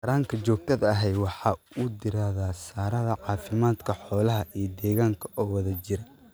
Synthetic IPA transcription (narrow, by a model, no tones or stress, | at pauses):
ɐɾaːŋkʰɐt͡ʃɔːɡ̚t̪ʰɐðɐɐɦɛjwɑħɑːʊd̪ɪɾaːðaːsaːɾɐðɐʕɑːfɪmaːd̪kʰɐħɔːlɐɦɐʔijɔd̪ɛːɣaːŋkʰɐʔɔːwɐðɐt͡ʃɪɾɐ